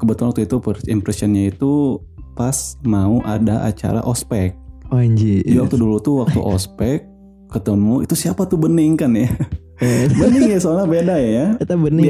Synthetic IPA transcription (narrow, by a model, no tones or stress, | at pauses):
kəbət̪ulanwak̚t̪uit̪upəimpɾɛsiɔnɲait̪u | pasmauʔa̰daʔa̰t͡ʃa̰ɾa̰ʔɔspɛk̚oiɲd͡ʒid͡ʒiwak̚t̪udulut̪uwak̚t̪ṵʔɔ̰spɛk̚ː | ət̪əmmuḭt̪usiapat̪ubənɪŋkanja | bənɪŋjasoalahbedajjat̪abənɪ